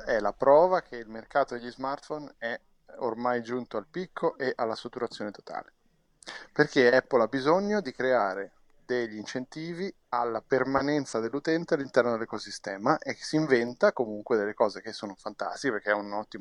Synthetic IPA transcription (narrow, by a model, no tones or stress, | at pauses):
ɛlapɾɔːvakʰeilmerkaːt̪od̪eʎːizmart̪fonɛ | o̰rmajd͡ʒunt̪oalpikʰːoʔeʔalːasot̪ːuɾat̪sːjoːnet̪o̥t̪ʰa̰ːle | perk̟eɛpːolabizoɲːod̪ikɾeaːɾe | d̪eʎːiint͡ʃent̪iːvi | a̰lːapermanɛnt̪sad̪elːut̪ɛnt̪ealːint̪ɛrnod̪elekosist̪ɛːmaʔeksiːɱvent̪akomuŋkwed̪elːekɔːzek̟esːoːnofant̪a̰st̪ikeperk̟eɛunɔt̪ːi